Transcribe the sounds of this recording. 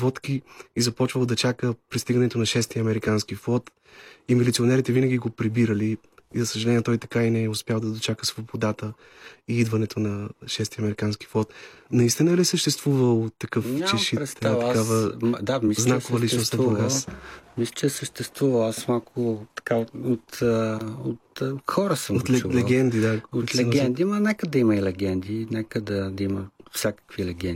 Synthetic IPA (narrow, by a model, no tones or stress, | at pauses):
vɔt̪kiizɐpɔt͡ʃvəlˠd̪ɐt͡ʃakəpɾist̪iɡənɛt̪onɐʃɛst̪iɐmɛɾikansk̟iflˠɔt̪ | imilit̪sionɛɾit̪ɛvinɐɡʲiɡopɾibiɾəliː | zɐsəʒɐlɛnʲiɛt̪ɔjt̪ɐ̥kainɛɛʊspjalˠd̪ɐd̪ot͡ʃakəsvobod̪at̪ə | iid̪vɐnɛt̪ʰonɐʃɛst̪iɐmɛɾikanski̥flˠɔt̪nɐist̪inəlisəʃt̪ɛst̪vuvəlˠot̪ːɐkɤfʲat͡ʃɛʃipɾɛt̪st̪vakkavəmd̪amisznakovɐlit͡ʃnost̪vɾoɡamislʲət͡ʃɛsəʃt̪ɛst̪vuvɐlˠasmalˠkʰʊt̪ɐ̥kaot̪ | ot̪xɔɾəsəmolɛulɛɡɛnd̪id̪aot̪lɛɡɛnd̪imɐnɛkəd̪ɐimɐilɛɡʲɛnd̪inɛkəd̪ɐd̪ɐiməfsʲakə̥kvilɛɡɛn